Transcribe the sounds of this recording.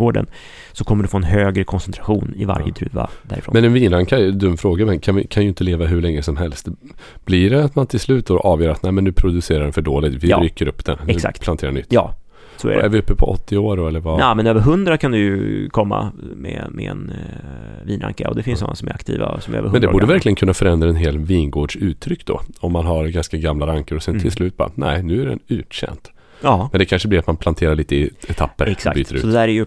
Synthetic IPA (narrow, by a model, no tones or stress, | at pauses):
ɡoːɖə̰n | sɔkʰɔmːəɖɵfoːɛnɦøːɡɾəkʰɔnsɛnt̪ʰɾaɧuːnɪva̰ɾjət̪ʰɾʉ̟ːva̰d̪æːɾɪfɾo̰ːnmɛnɛnviːnɾaŋkʰad̪ɵmːfɾoːɡamɛnkʰanvɪkʰanjʏɪnt̪əleːvaɦʉɭɛŋːəsɔmɦɛlst̪ | b̥lɪɖɛat̪mant̪ʰɪlslʉ̟ːt̪̚oɾʔɑːvjœːɾat̪næɪmɛnːʉːpʰɾʊd̪ʉseːɾaɖɛnfœɖoːlɪt̪vɪɾyːkːəɾɵpːd̪̥ɛ̰nːɛsa̰kt̪pʰlant̪ʰeːɾanʏ̰t̪ːjɑ̰ː | sɔæ̰ɾɛɛ̰ɾvɪɵpːəpʰɔɔ̰t̪ʰːɪoːɾɔɛlːəɾvanaːmɛnøːvəɾɦɵnd̪ɾakʰand̪ɵjɵkʰɔmːa̰mɛmɛɛ̰n | viːnɾa̰ŋkaɔ̰d̪ɛfɪnsnɔ̰nːa̰sɔmæɾakt̪ʰḭːva̰sɔmø̰ːvəɾhɛnd̪ɛbuːɖəɛvæɾklɪɡənkʰɵnːafœɾɛnd̪ɾaɛnɦeːlviːnɡoːɖʂʉ̟ːt̪ʰːɾʏkːd̪̥ɔ̰ɔmːanɦaɾɡanskaɡamlaɾaŋkəɾɔsɛnt̪ʰɪlslʉ̟ːt̪̚bɑ̰ːɾ̰næːɪnʉ̟ːæɖɛ̰nʉ̟ːtɕɛ̰nt̪ː | mɛnd̪ɛkʰanʂəblɪɾat̪manpʰlant̪ʰeːɾaɭiːt̪əɪɛt̪ʰapːəɾɛsakbyːt̪əɾʉːɔd̪ɛd̪æːɾæɾjɵ